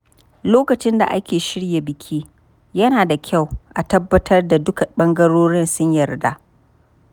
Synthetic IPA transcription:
loː˦kɐ˨t͡ʃɪ˦nda̰˨ʔa˦kʲeː˨ʃɪ˦ɽja˨bɪ˨kʲʰiː˦ | jɐ˦naː˨da˨kʲʰa˦˨wʔa˨tɐ˦bːɐ˦tʰɐ˦rda˨dʊ˦ka˨ɓɐ˦ŋɡɐ˦ɽoː˦ɽɪ˦nsʊ˦ɲjɐ˨rda̰˦ʔ

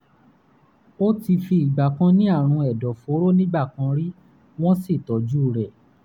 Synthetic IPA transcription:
o˦ti˧fi˧i˨ɡ͡ba˨kã˧nĩ˦a˦˨ɾ̃ũ˧ɛ˨dɔ˨fo˨˦ɾo˦nĩ˦ɡ͡ba˦˨kã˧ɾi˦ | w̃ɔ̃˦si˦˨tɔ˨˦d͡ʒu˦˨ɾɛ˨

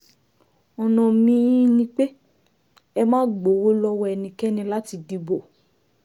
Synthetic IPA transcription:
ɔ˨nã˨mĩ˦nĩ˧˦k͡pe˦ | ɛ˧mãː˦ɡ͡bo˨wo˦lɔ˧˦wɔ˦ɛ˧˨nĩ˨˧kɛ˦nĩ˧la˦ti˧di˧bo˨

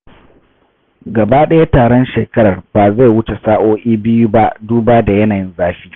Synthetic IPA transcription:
ɡɐ˨ba˦ɗɐ˦ja˦taː˨ɽɔ˦nʃeː˨kɐ˦ɽɐ˨rbaː˨za˦˨jwʊ˦t͡ʃe˨saː˦ʔoː˦ʔiː˦bɪ˦ju˦ba˦ʔduː˦baː˦da˨jɐ˦naː˨jɪ˦nzaː˦ɸiː˦

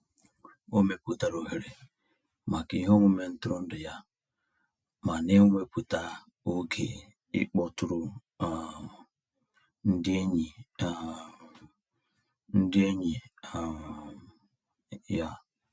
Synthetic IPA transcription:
o˦me˨pu˦ta˨ɾo˨ɦe˨ɾe˨ | ma˨ki˨˦ɦo˦mʷo˦me˨n̩˦tʊ˦ɾo˦n̩˦dɪ˨ja˦ | ma˨ne˦ŋʷe˦pu˨ta˨ | o˦ɡe˨ | ḭ˦k͡pɔ˨tu˨ɾu˦˨ | n̩˦dɪ˦e˦ɲi˨ | n̩˦dɪ˦e˦ɲi˨ | ja˦

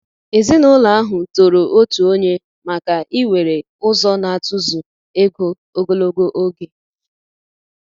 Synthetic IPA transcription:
e˨zi˦nʊ˦la˨a˦ɦʊ˨to˨ɾo˨ʔo˦tu˨o˦ɲe˦ | ma˨ka˨ʔi˦we˨ɾe˨ | ʊ˦zɔ˦na˨a˨tʊ˦zʊ˨ | e˦ɡo˦ | o˦ɡo˦lo˦ɡo˦ʔo˦ɡe˨

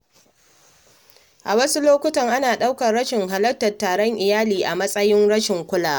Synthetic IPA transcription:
ʔa˨wɐ˦su˦loː˦kʷʊ˦tɐ˨ŋʔa˦naː˨ɗa˦wkɐ˨rɽɐ˦ʃɪ˨ŋɦa˨lɐ˦k̚tɐ˨rtːaː˨ɽɔ˦ŋʔɪ˨jaː˦liː˨ʔa˨mɐ˦sʼɐ˦jɪ˦nɽɐ˦ʃɪ˨ŋkʷʊ˦laː˨

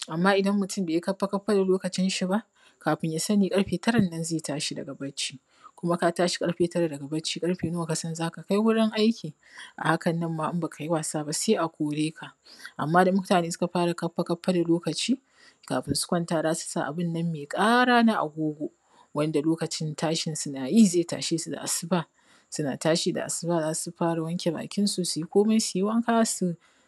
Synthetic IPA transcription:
ʔa˨mːaː˦ʔɪ˨dɐ˦mːʊ˨tʊ˦˨mbeː˨ji˦kɐ˦ɸːa˦kɐ˦ɸːa˦da˨loː˦kɐ˨t͡ʃɪ˦nʃi˦ba˦ʔ | kaː˨ɸɪ˦ɲjaː˦sɐ˦niː˨kʼɐ˦ɽɸeː˨tɐ˦ɽɐ˨nːɐ˦nzeː˦˨taː˦ʃi˦dɐ̰˨ɡɐ˨bɐ˦t͡ʃːi̥ː˦ | kʷʊ˦ma˦ka˦taː˦ʃi̥˦kʼɐ˦ɽɸeː˨tɐ˦ɾa˨dɐ˨ɡa˨bɐ˦t͡ʃːiː˦kʼɐ˦ɽɸeː˨nʊ˦wa˨ka˨sɐ˦nzaː˦ka˨ka˦jwʊ˦ɽɪ˦ŋʔa˦jkʲiː˨ | ʔa̰˨ha˦kɐ˨nːɐ˦mːaː˦ʔɪ˦mba˨kʰa˨ji˦waː˨saː˦ba˦seː˦ʔa˨kʷoː˨ɽeː˦kʰa˨ʔʔa̰˨mːaː˦da˨mʊ˦ktaː˨neː˦sʊ̥˦ka˨ɸaː˦ɽa˨kɐ˦ɸːa˦kɐ˦ɸːa˦da˨loː˦kɐ˨t͡ʃiː˦ | ka̰ː˨ɸɪ˦nsʊ̥˦kʷɔ˦ntaː˦zaː˦su̥˨˦saː˦ʔa̰˨bɪ˦˨nːɐ˦mːeː˨kʼaː˦ɽaː˦na˦ʔa̰˨ɡʷoː˦ɡʷo˦ | wɐ˦nda˨loː˦kɐ˨t͡ʃɪ˦ntʰaː˦ʃɪ˨nsʊ˦naː˨ji˦zeː˦˨ta̰ː˨ʃeː˦su˨da̰˨ʔa̰˨sɪ˦baː˦ | sʊ˦na̰ː˨taː˦ʃiː˨da̰˨ʔa̰˨sɪ˦baː˦zaː˦su˦ɸaː˦ɽa˨wɐ˦ŋkʲe˨ba̰ː˨kʲɪ˦nsu˨su˨ji˦kʷoː˦me˦siː˨˦wɐ˦ŋka˦su˦

